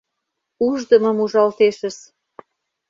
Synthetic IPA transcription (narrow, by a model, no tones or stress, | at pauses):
uʒd̪ə̆mə̆muʒɑlt̪eʃə̆s